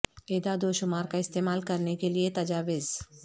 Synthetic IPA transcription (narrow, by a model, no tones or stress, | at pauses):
eːd̪ad̪oːʃʊmaːɾkaɪst̪eːmaːlkɐɾnekeliet̪ɐd͡ʒaːʋɪz